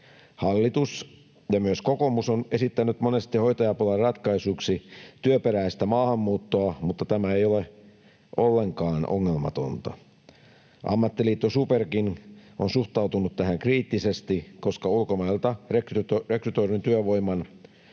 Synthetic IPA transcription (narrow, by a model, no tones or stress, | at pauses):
hɑlːit̪us | jɑmyøskokomusone̞sit̪ːænyt̪mone̞st̪iho̞jt̪ɑjɑpulɑrrɑt̪kɑisuksit̪yøpeɾæist̪æmɑːhɑmːuːt̪ːoɑmut̪ːɑt̪æmæejole | ʔolːe̞ŋkɑːnʔo̰ŋːelmɑ̰t̪o̰nt̪ɑ̰ | ʔɑ̰mːɑt̪ːiliːt̪ːosuperkinʔonsuht̪ɑut̪unut̪t̪æhæŋkriːt̪ːisest̪iko̞skɑulkomɑilt̪ɑrektrekryt̪oirint̪yøʋo̞imːɑn